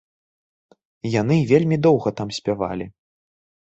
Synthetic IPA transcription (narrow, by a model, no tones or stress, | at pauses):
jan̪ɨvʲelʲmʲid̪ɔwɣɐt̪amsʲpʲava̰lʲi